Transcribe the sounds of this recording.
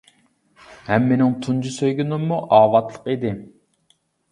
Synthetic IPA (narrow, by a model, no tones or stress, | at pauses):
hɛmːenɪŋt̪ʰund͡ʒusøjɡʲynumːuʔɑːwɑt̪lˠəqid̪ɪ